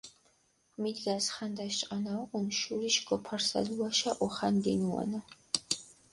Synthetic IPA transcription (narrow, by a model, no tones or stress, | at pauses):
miːdɡasχɐnd̪ɐʃt͡ʃʼɐnawqʷʊnʃuriːʃɡʷʼɔpʰɐrsɐ̰ɮwɐʃɐʔʷɔχɐndeːnuwɔ̰nɐ